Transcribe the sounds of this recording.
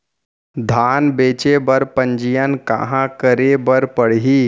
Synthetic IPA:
d̪ʱaːnbeːt͡ʃebəɾpə̃ɲd͡ʒijənka̰ɦãkəɾebəɾpəɽ̤ɦiː

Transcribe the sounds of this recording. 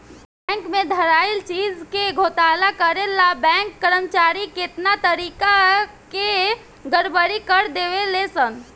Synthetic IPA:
bbɛ̃ŋkmed̪ʱəɾailt͡ʃid͡ʒkeɡʱot̪alakəɾelabɛ̃ŋkːəɾəmt͡ʃaɾiket̪nat̪əɾika | ke | ɡəɾbəɾikəɾd̪eʋelesən

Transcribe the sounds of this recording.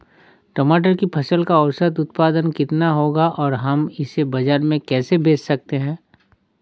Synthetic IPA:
ʈɐmaːʈ̬əɾkipʰɐsəlkaɔwsət̪ʊt̪̚paːd̪ənkɪt̪naɦoːɡaʔɔːɾɦɐmɪsebɐd͡ʒaːɾmẽkɛːsebʱeːt͡ʃsɐk̚t̪eɦɛ̃ː

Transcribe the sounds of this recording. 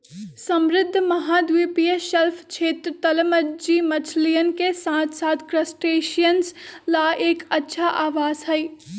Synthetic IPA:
sɐmɾɪd̪ʱːmɐɦaːd̪ʋipijəʃɐlft͡ʃʰeːt̪ɾt̪ɐlməd͡ʒimɐt͡ʃʰlijənkesãːt̪ʰsaːt̪ʰkɾəsʈeːʃijənslaːʔeːkɐtːʃʰaʔaːʋaːzɦɛiː

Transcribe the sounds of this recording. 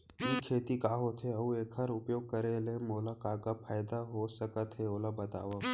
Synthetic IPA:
iːkʰːeːt̪ikaːɦoːt̪ʰɦeɐueːkʰɦɐɾʊpjoːɡ̚kɐɾelẽmoːlakaːkapʰaːɪd̪aɦosɐkət̪ɦeoːlabɐt̪a̰ːʋa

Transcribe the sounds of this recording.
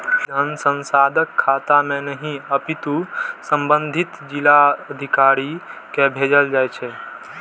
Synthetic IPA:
d͡ʒʱənsə̃nsad̪ʱəkʰːat̪amenəɦĩəpit̪usəmbənd̪ʱit̪d͡ʒilaəd̪ʱikaɾikebʱed͡ʒəld͡ʒajt͡ʃʰɛ

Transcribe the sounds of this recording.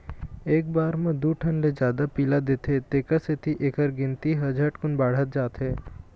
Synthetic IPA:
eːk̚baːɾmẽd̪uʈʰənled͡ʒjaːd̪apiːlad̪eːt̪et̪eːkaset̪ʰiʔeːkəɾɡɪ̃nt̪iɦɐd͡ʒəʈkʊnbaːɽ̤ət̪̚d͡ʒaːt̪ɦɛː

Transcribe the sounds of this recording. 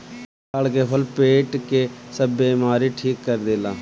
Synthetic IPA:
aːlkeːpʰəlpeːʈkeːsəbeːmaːɾiːʈʰiːkːəɾd̪eːlãː

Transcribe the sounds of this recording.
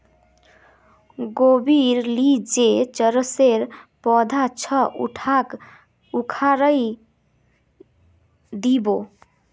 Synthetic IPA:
ɡobiɾlid͡ʒet͡ʃəɾəseɾpɔd̪ʱat͡ʃʰʌʔṵʈʰak | ukʰaɾəj | d̪ibo

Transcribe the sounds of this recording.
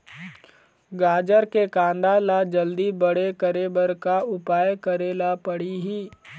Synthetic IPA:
ɡaːd͡ʒəɾkekãːnd̪alad͡ʒəld̪ibəɽekəɾebəɾkaʊpaːjkəɾeːlapəɽiɦiː

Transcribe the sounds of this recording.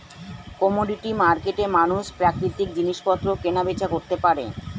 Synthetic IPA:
kɔmuɖiʈimaɾkeʈemanuʃpɾakɾit̪ik̚d͡ʑiniʃpɔt̪ːɾokenabet͡ɕakoɾt̪epaɾḛ

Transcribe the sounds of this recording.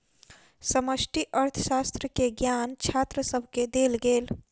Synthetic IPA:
səməsʈiʔəɾt̪ʰəsast̪ɾəkeɡjant͡ʃʰat̪ɾəsəbʱked̪elɡeːl

